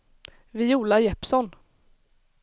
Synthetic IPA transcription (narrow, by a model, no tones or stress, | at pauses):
vɪuːlajɛpsɔn